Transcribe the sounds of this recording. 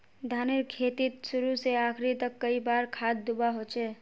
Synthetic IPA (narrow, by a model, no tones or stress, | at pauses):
d̪ʱaneɾkʰet̪it̪sʊɾuseaːkʰɾit̪əkːəibaɾkʰad̪ːubaɦot͡ʃɛ